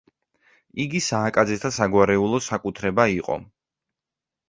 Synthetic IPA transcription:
iɡisaːkʼad̪zɛt̪ʰasaɡwaɾɛulˠɔsakʼut̪ʰɾɛbaiqʼɔ̰

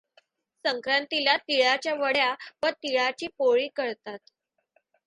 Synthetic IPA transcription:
səŋkɾant̪ilat̪iɭat͡ɕjaʋəɽjaʋəɾt̪iɭat͡ɕiːpoɭiːkəɾt̪at̪

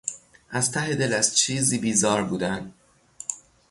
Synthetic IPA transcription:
ʔæz̥t̪ʰæɦed̪e̞læzt͡ʃʰiːziːbiːzɒːɾbuːd̪æn

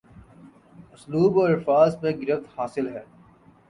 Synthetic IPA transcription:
ʊsluːbɔːɾɪɾfaːzmẽɡɪɾəft̪haːsɪlɦɛː

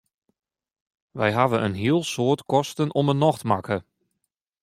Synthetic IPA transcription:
ʋɛjɦaʋənʔənɦiəlˠsoːtkɔstənɔmənɔxtmakʰə

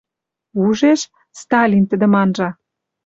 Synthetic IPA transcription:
uʒeʃ | st̪ɑlʲint̪ə̆d̪ə̆mɑnʒɑ

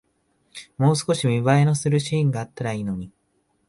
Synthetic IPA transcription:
mo̞ːsɨ̥ko̞ɕimʲiβaeno̞sɨɾɯ̟ɕĩːŋɡaːt̪ːaɾaiːno̞ɲ̟i

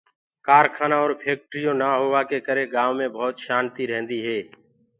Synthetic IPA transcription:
kaːɾkʰaːnaːɔːɾpʰeːk̚ʈɾijõːnaːɦoːʋaːkeːkəɾeːɡaːʋmẽːbʱoːt̪ʃaːnt̪iːɾɛ̃ɦnd̪iːɦeː

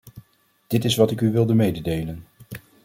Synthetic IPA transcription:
d̥ɪtɪsʋɑtɪkyʋɪlˠdəmejdədejlən

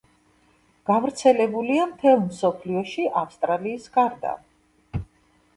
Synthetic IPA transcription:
ɡ̥avɾt̪sʰɛlɛbuliamt̪ʰɛlˠmsɔpʰliɔʃiʔafst̪ʼɾaliːsɡaɾd̪a̰

